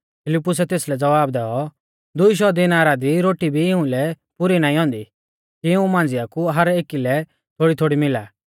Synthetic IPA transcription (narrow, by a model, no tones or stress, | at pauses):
pʰɪlɪpːʊsɛt̪eːslɛd͡zɐʋaːbd̪ɛːɔ | d̪ʊiʃ̬ɔd̪ɪnaːɾad̪iɾoːʈibʱiɪũlɛ | pʊɾinãːĩɦɔ̃ːnd̪i | kiɪũmãːn̆d͡zɪjakuɦɐɾeːkilɛ | t̪ʰoːɽit̪ʰoːɽimɪla̰ː